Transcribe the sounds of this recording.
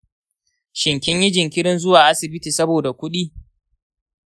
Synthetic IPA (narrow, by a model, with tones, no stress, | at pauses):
ʃɪ˨ŋkʲɪ˦ɲjɪ˦d͡ʒɪ˨ŋkʲɪ˦ɽɪ˦nzʊ˦waː˨ʔa˦sɪ˨bɪ˦tiː˨sɐ˦boː˨da˨kʷʊ˦ɗiː˦